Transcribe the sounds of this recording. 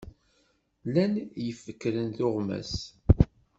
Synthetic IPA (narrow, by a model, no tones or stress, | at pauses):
lænjəfːəkːɾənθʊʁmæ̰s